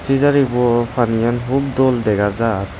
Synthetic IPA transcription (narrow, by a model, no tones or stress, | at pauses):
pʰizaɾibɔpʰanijanɦub̚dɔldɛɡaɾza